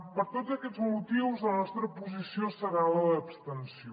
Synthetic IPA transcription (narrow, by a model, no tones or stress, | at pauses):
pəɾt̪odd͡zəkɛd͡zmut̪iwzðənɔst̪ɾəpuzisiosəɣalələːpst̪ənsio